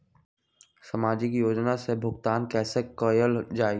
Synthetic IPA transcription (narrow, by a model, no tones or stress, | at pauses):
səmaːd͡ʒikijoːd͡ʒnasebʱʊɡt̪aːnkɛːsekɔːjəld͡ʒaːe